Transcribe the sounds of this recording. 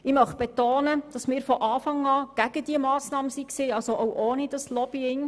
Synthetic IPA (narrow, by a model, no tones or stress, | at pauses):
ɪmœχb̥etoːnəd̥ɑsmɪːɾfɔʔɑːfɑŋɑːɡ̥æɡ̥ədiəmɑːsnɑːməsiksiːɑlsoʔowʔoːnidɑslɔbiɪŋ